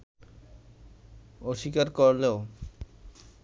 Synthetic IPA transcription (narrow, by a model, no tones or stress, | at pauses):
oʃikaɾkoɾleo